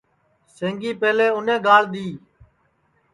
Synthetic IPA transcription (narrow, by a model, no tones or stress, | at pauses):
sẽːŋɡiːpeːleːʊnẽːɡaːlɗ̪iː